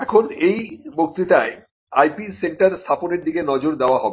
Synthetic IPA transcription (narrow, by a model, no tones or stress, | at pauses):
ɛkʰonejbok̚t̪it̪ae | ajpiseɳʈaɾst̪ʰaponeɾd̪ikenɔd͡ʑoɾd̪eoaɦɔbe